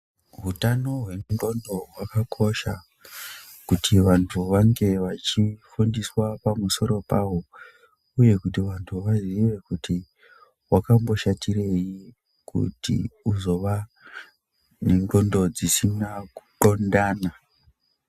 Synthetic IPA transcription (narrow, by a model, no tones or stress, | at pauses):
ɦutano̞ɦwe̞nŋɡo̞ndo̞ɦwakakʰo̞ʃa | kutʰiʋantʰuʋaŋɡe̞ʋat͡ʃifundiswapamuso̞ɾo̞pawo̞ | uje̞kutiʋantʰuʋaziʋe̞kuti | wakambo̞ʃatire̞ji | kṵtḭuzo̞ʋa | neŋɡo̞ndod͡zisinaku̥ǃo̞ndaːna